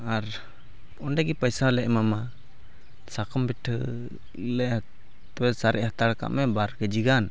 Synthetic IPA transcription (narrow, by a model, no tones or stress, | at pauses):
aɾ | ɔnɖɛɡipajsalɛʔmama | sakɔmbɛʈʰə̰ | lɛʔ | t̪ɔwɛsaɾʔɛʔhat̪aɾka̰ʔmɛbaɾkəd͡ʒiɡan